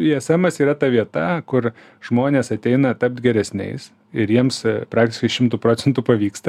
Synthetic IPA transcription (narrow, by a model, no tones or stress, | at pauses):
iɛsɐmɐsiːɾɐt̪ɐʋʲiɛt̪ɐkʊr | ʒ̥moːnʲeːsɐt̪ʲɛɪnɐt̪ɐp̚t̪ɡʲɛɾʲɛsʲnʲɛ̰ɪs | ɪɾjiɛmspɾɑːk̚t̪ʲɪʃkɐɪʃʲɪmt̪uːpɾoːt͡s̪ʲɛnt̪uːpɐʋʲiːkst̪ɐ